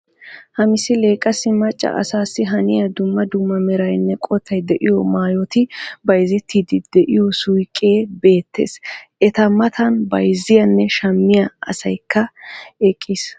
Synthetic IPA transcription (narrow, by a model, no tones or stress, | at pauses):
hɐmɪsɪle̞ːkʼːɐsɪmɐt͡ʃʼːɐ̰ʔɐ̰saːsːɪɦɐnɪjɐd̪ʊmːɐd̪ʊmːɐmɛɾɐjnːɛkʼɔt̪ʰːɐjd̪ɛʔɪjɔmaːjɔt̪ɪbɐjzɪt̪ʰːiːd̪ɪd̪̥ɛʔɪjɔsʊjkʼeːbe̞ːt̪ʰːḛːsʔɛt̪ɐmɐt̪ʰɐnbɐjzɪjɐnːɛʃɐmːɪjɐɐ̰sɐjkːɐɛkʼːis